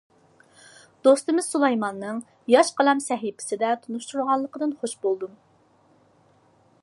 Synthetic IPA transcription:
d̪̥ost̪ɨmɪz̥sulˠɑjmɑnːɨŋ | jɑʃqəlɛmsɛɦipʰɪ̥sɪd̪ɛt̪ʰunuʃt̪uɾʁɑlˠːəqəd̪ɨnχoʃbolˠd̪um

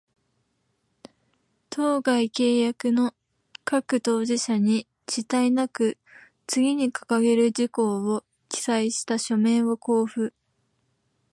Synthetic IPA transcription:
t̪ʰo̞ːɡaike̞ːjakɯ̟no̞ | kakɯ̟t̪o̞ːʑiɕaɲ̟i | t͡ɕit̪ainakɯ̟ | t͡sɨɡʲiɲ̟ikḁkaɡe̞ɾɯ̟d͡ʑiko̞ːo | kʲi̥saiɕi̥t̪aɕo̞mẽ̞o̞ko̞ːɸɯ̟

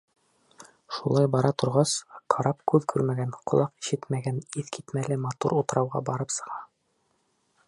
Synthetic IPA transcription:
ʃulˠɑjbɑɾɑt̪ŏɾʁɑsqʰɑɾɑpkʉðkʰʉɾmæɡænqʰŏlˠɑqi̥ʃɘt̪mæɡæniθkit̪mælɘmɑt̪ṵɾut̪ɤ̆ɾɑwʁɑ̰bɑɾɤpsɤ̆ʁɑ

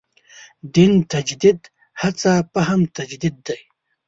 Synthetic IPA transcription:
d̪int̪ɐd͡ʒd̪id̪ | hat͡sapaɦamt̪ɐd͡ʒd̪id̪ːaj

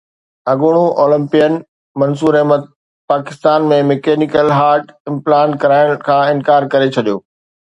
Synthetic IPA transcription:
ɐɡʊɽ̃uʔoːlɪ̃mpijən | mɐnsuːɾemɐt̪̚ | paːkɪst̪aːnmẽmekeːnikəlɦaːɾʈɪ̃mplaːɳʈkɐɾaːɪɽ̃kʰãːɪ̃nkaːɾkɐɾet͡ɕʰɐɗijoː

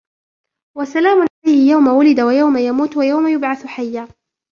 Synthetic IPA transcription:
wasalaːmʊnʕalajhɪjawmawʊlɪd̪awajawmajamuːt̪wajawmajʊbʕaθħajːaː

